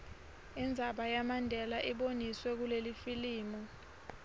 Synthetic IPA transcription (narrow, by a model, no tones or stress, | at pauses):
ind͡zʱaɓajamandʱɛlaʔiɓoniswɛk̬ulelifiliːmɔ